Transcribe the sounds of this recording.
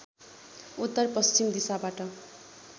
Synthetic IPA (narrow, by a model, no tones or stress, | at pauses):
ut̪ːʌrpʌst͡ɕimd̪isabaʈʌ